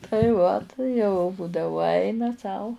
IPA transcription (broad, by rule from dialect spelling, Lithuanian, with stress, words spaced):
tɐɪ ˈʋɐt jɛʊ ˈbuːdɐʋʊ ˈɐɪnɐ sɐʊ